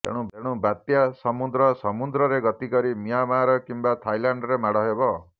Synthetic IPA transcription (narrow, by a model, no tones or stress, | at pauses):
t̪ḛɽ̃ũbeɽ̃ũbat̪jasɔmud̪ɾɔsɔmud̪ɾɔɾeɡɔt̪ikɔɾimijamaɾɔkimbat̪ʰajlaɳɖɾemaɽɔɦebɔ